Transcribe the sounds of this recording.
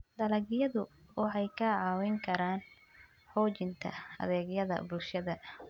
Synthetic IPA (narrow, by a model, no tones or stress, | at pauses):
d̪ɐlɐɡjɐðʊwɑħɑjkʰɐʕɑːwɪŋkʰɐɾaːn | ħɔːt͡ʃɪnt̪ʰɐ̰ɐ̰ðɛːɡjɐðɐ̰bʊlʃɐðɐ